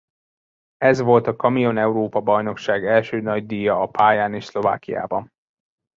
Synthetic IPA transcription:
ɛzʋo̞lt̪ɒkɒmijo̞nɛuɾoːpɒbɒjno̞kʃaːɡɛlʃøːnɒɟd̪iːjɒɒpʰaːjaːneːʃslo̞va̰ːkija̰ːbɒn

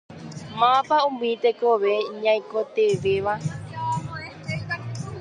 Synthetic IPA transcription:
mãpaũmĩt̪ekoʋe̞ɲãj̃kot̪eʋeʋa

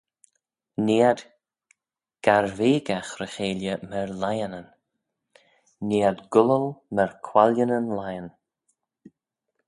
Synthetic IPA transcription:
niːəd̪ | ɡ̥aɾveːɡaxɾəxeːljəməɹlajənən | niːəd̪ɡʊləlməɹkʰwalənənlajən

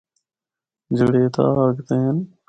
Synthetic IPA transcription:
d͡ʒəɽeːt̪ʰa̰ːkt̪ẽːn

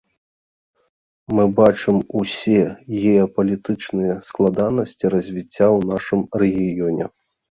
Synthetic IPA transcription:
mɨbat͡ʂɨmusʲɛɣʲɛɐpɐlʲit̪ɨt͡ʂnɨjɛsklˠad̪anɐsʲt͡sʲiɾɐzʲvʲit͡sʲːawn̪aʂɨmrɛɣʲijɔnʲɛ̰

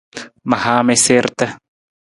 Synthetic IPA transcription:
mahameseɾt̪a

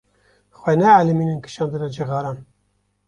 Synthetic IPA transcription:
xwɛnɛalɨmiːnɨnkɨ̥ʃɑːnd̪ɨɾɛd͡ʒɨɣɑːɾɑːn

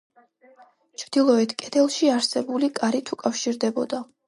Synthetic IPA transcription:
t͡ʃʰvd̪̥ilˠɔɛt̪ʰkʼɛt̪ʰɛlˠʃiaɾsɛbulikʼaɾit̪ʰukʼafʃiɾd̪ɛbɔd̪a

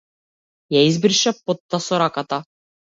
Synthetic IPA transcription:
jæjɘzbiɾʃæpːot̪ːɑsoɾɑkɑt̪ɑ

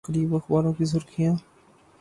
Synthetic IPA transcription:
əɾiːbəxbaːɾõːkizʊɾkʰijãː

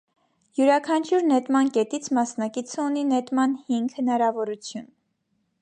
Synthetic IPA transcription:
juɾɑkʰɑnt͡ʃʰjuɾnɛt̪mɑnkɛt̪it͡sʰmɑsnɑkit͡sʰəuninɛt̪mɑnhiŋɡhənɑɾɑvɔɾut͡sʰjun

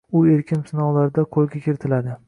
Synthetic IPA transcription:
ʊe̞ɾkʲʰɪnsɪnɒwlaɾɪd̪aqʰolˠɡʲakʲʰɪɾɪt̪ʰɪlad̪ɪ

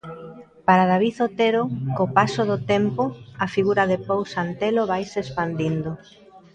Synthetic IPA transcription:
paɾaðaβ̞iθot̪eɾokopasoðʊt̪empoɐfiɣuɾɐðɪpowsant̪eloβajsespand̪ind̪ʊ

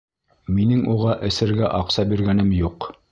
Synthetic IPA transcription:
minɘŋʔuʁɑʔɘ̆sɘ̆ɾɡæʔɑqsɑbiɾɡænɘmjuq

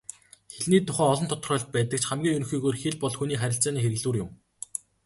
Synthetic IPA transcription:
xeɮniːt̪ːʊχæːɔɮɞ̆nt̪ʰɔ̥t̪ə̆rəːɮt̪̚pæːt̪ə̆k̚t͡ɕχæmɡʲiːŋɵnxiːɣoːrxeɮpɔɮxuniːχæɾʲɪ̆ɬt͡saːniːxeɾɘ̆ɣɮuːrjʊm

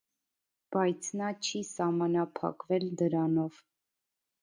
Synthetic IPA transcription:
b̥ɑjt͡sʰnɑt͡ʃʰisɑhmɑnɑpʰɑ̰kvɛld̪əɾɑnɔv

